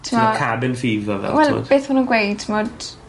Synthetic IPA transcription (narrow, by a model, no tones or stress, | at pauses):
tʰɪmakʰabɪnfiːvɔvɛ̰wɛlo̰deːθmanunɡwejd̚tʰmod̥